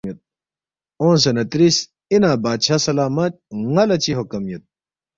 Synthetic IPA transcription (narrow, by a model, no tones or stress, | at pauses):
ɐt̪̚ | õːnsɐnɐt̪ɾis | inaːbaːt̪ɕʰasɐlaːmɐt̪̚ŋɐlɐt͡ɕiɦokɐmjɐt̪̚